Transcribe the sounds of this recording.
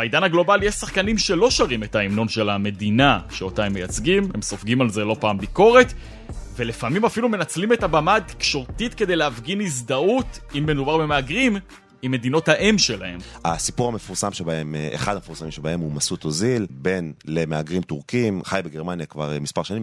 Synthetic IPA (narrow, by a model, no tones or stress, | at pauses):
b̥aid̪anaɡlo̞balijeʃsaχkanimʃe̞lo̞ʃaʁime̞taimno̞nʃe̞lame̞dinaʃeo̞taemːejat͡sɡimemso̞fɡimalze̞lo̞paːmbiko̞ʁe̞t | ve̞lefamimafilume̞nat͡slime̞tabamat̪i̥kʃo̞ʁtit̪ke̞de̞jleafɡinizd̪autimbedubaʁbe̞meaɡʁim | imːe̞d̪ino̞thaʔemʃe̞lahe̞masipuʁhame̞fuʁsamʃebaemḛχad̪amefuʁsamimʃebae̞mumasut̪ozilbe̞nlemeaɡʁimt̪uʁkimχajbeɡeʁmanjakva̰ʁmispaʁʃanim